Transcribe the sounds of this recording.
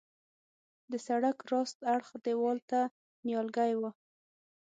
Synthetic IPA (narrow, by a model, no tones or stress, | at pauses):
d̪əsaɽakɾɑst̪aɽxd̪ewɑlt̪a | njɑlɡajwa